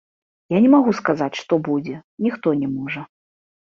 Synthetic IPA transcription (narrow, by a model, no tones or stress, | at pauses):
janʲɛmaɣuskazat͡sʲʂt̪ɔbud͡zʲɛnʲixt̪ɔnʲɛmɔʐɐ